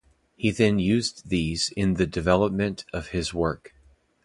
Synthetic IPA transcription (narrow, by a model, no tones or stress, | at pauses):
hiðɨ̃njʉzðizɪ̃nðɨdɨvɛlˠəp̚mɨ̃ntʰʌv̥ɪzwɜ˞k